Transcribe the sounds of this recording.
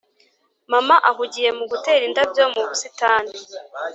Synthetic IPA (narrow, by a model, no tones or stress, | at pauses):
mamaʔaɦuɟije̞muɡuteɾindabjomuβusitaːni